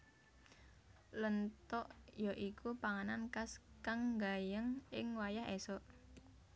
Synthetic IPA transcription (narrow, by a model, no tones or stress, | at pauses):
lənt̪ɔʔjɔʔikʰupaŋanankaskaŋɡajəŋʔɪŋwajaɦesɔʔ